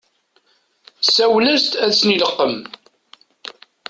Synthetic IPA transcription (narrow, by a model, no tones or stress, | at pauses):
sæwlæst̪æðt͡sːniləqːəm